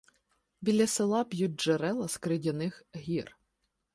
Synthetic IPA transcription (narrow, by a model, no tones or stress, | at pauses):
bʲilʲːɐsɪlˠɑpʲjut̚ʲʒ̥eɾɛlˠɐskɾɪdʲɐnɪxɦʲir